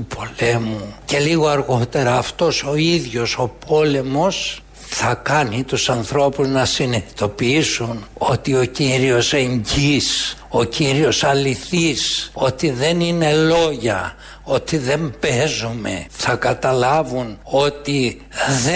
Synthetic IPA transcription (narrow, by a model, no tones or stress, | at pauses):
upʰo̞le̞muce̞liɣo̞ɐɾɣo̞t̪e̞ɾɐːft̪o̞so̞iðʝo̞so̞pʰo̞le̞mo̞s | θɐkɐnit̪usɐnθɾo̞puznɐsinet̪i̥t̪o̞piisuno̞t̪io̞ciɾio̞se̞ɲɟis | o̞ciɾio̞sɐliθiso̞t̪iðe̞nine̞lo̞ʝɐ | o̞t̪iðe̞mbe̞zume̞̰θɐkɐt̪ɐlɐvuno̞t̪i | ðe